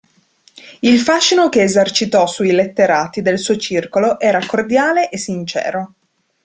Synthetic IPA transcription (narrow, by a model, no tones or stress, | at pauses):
ilfaʃːinokeːzart͡ʃit̪ɔsuilet̪ːeɾaːt̪id̪elsuːot͡ʃirkoloʔɛːɾakord̪jaːleʔesːint͡ʃɛ̰ːɾo